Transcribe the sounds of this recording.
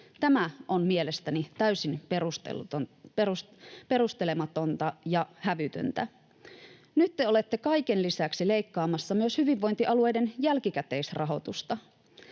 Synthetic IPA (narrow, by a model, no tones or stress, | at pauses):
t̪æmæʔonmie̞le̞st̪ænit̪æysin̰ | pe̞ɾust̪ele̞mɑt̪ont̪ɑjɑhæʋyt̪ø̰nt̪æ | nyt̪ːeole̞t̪ːekɑjkenlisæksile̞jkːɑːmɑsːɑmyøshyʋiʋːo̞jnt̪iʔɑlue̞jde̞njælkikæt̪e̞isrʔɑɦo̞̰t̪ust̪ɑ